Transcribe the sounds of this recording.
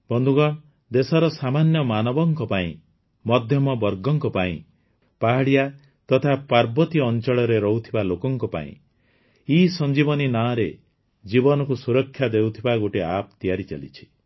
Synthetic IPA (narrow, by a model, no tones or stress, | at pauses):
bɔnd̪ʱuɡɔɽ | d̪esɔɾɔsamanjɔmanɔbɔŋkɔpaḭ̃ | mɔd̪ʱjɔmɔbɔɾɡɔŋkɔpaḭ̃ | paɦaɽija | t̪ɔt̪ʰapaɾbɔt̪iɔnt͡ʃɔɭɔɾeɾɔɦut̪ʰibalokɔŋkɔpa̰ḭ̃ | isɔnd͡ʒibɔninaɾe | d͡ʒibɔnɔkusuɾɔkʰːjad̪ewt̪ʰibaɡoʈiap̚t̪ijaɾit͡ʃa̰lḭt͡ʃʰi̥